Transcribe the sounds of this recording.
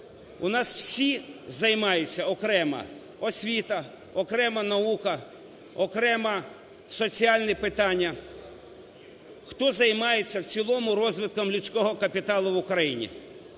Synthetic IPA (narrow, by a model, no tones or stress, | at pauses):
ʊnɑswsʲizɐjmɑjʊt͡sʲːɐɔkɾɛmɐ̰ | ɔsʲʋʲit̪ɐ | ɔkɾɛmɐnɐukɐ | ɔkɾɛmɐ | sɔt͡sʲiɑlʲnɛpɪt̪ɑnʲːɐ | xt̪ɔzɐjmɑjet͡sʲːɐwt͡sʲilˠɔmʊɾɔzʋɪt̪̚kɐmlʲʊt͡sʲkɔɦɔkɐpʲit̪ɑlˠʊwʊkɾɐjinʲḭ